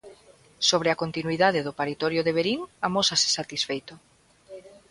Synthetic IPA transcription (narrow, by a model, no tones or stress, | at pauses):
soβ̞ɾeakont̪inwiðaðeðʊpaɾit̪ɔɾjoðeβeɾiŋamosase̥sat̪isfejt̪o